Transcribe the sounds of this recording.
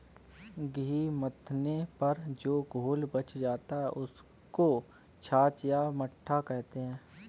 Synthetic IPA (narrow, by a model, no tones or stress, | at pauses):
ɡiːmət̪ʰnepɐɾd͡ʒoːɡʱoːlbɐt͡ʃd͡ʒaːt̪aɦɛʔʊs | ko | t͡ʃʰaːt͡ʃjaməʈʰːakɛɦt̪eɦɛ̃ː